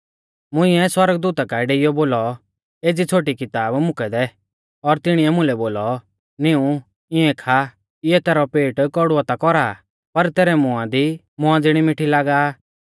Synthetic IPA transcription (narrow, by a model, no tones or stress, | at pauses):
mʊ̃ɪ̃ɛswɐɾəɡd̪uːt̪akaɪɖeːɪjɔboːlɔ | eːd͡zit͡sʰoːʈ̬ikɪt̪aːbmʊkɛd̪ɛ | ɔɾt̪ɪɽ̃iɛmʊ̃lɛboːlɔ | nɪũ | ɪ̃ɛ̃kʰa | ɪɛt̪ɛːɾɔpeːʈkɔɽʊat̪akɔɾa | pɐɾt̪ɛːɾɛmʊãd̪i | mʊ̃ãd͡zɪɽ̃imɪʈʰilaːɡaː